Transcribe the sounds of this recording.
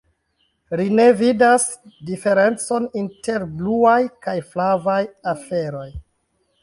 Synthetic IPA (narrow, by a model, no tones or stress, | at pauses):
line̞vidasdife̞ɾe̞nt͡so̞ninte̞ɾbluajkajflavajafe̞ɾo̞j